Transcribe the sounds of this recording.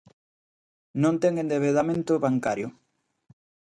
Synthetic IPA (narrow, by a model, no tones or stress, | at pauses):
nõnt̪eŋẽnd̪eβeðamẽnt̪ʊβaŋkaɾjo